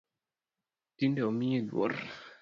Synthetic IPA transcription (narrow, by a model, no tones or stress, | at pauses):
tindɛomiedwɔ̰r